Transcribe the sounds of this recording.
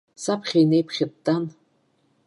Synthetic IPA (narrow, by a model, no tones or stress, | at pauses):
sapʰχʲajnejpʰχʲɪd̚tʼan